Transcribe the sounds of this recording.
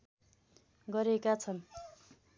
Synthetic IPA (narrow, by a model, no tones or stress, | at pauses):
ɡʌɾekat͡sʰʌn